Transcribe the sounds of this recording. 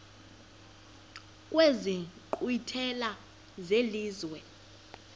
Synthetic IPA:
kʼweziǃwitʰɛla | zeliːzwɛ

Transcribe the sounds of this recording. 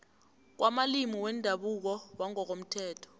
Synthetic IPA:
k̬wʔamalimiwɛndʱaɓuk̬ɔwaŋɔk̬om̩tʰɛːtʰɔ̥

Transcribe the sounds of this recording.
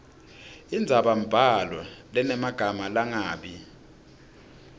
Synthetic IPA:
ind͡zʱaɓam̩b̥ʱalwalɛnɛmaɡ̥ʱamalaŋaːɓi

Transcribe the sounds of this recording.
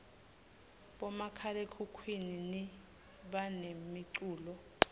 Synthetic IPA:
ɓɔmakʰalekʰukʰwinini | ɓanemiǀuːlɔ

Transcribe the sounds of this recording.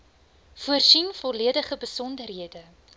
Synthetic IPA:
fuərsinfɔliədəχəbəsɔndərɦiədə

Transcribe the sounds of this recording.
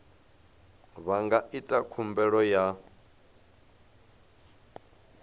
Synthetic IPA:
βaŋɡaʔitʼakʰumbɛɺɔja

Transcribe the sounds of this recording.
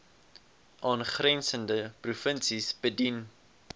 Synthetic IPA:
ʔɑːnχrɛnsəndəprufənsisbədin

